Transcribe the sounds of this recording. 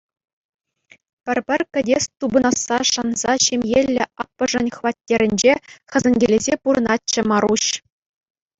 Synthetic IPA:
pʲɘ̆rʲpʲɘ̆rʲkʲɘ̆dʲest̪ubɤ̆nɑsːɑʂɑnz̥ɑɕemʲjelʲːɘ̆ɑpːɤ̆ʐɤ̆nʲχʋɑtʲːeɾʲɘ̆nʲd͡ʑeχɘ̆zʲɘ̆nʲɡʲelʲezʲepuɾɤ̆nɑt̚t͡ɕːɘ̆mɑɾuɕ

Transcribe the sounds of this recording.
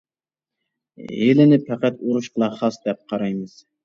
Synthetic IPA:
elɪnɪpʰɛqæt̪oɾuʃqʰəlˠɑχɑsd̪ɛp̚qʰɑɾɑjmɨz̥

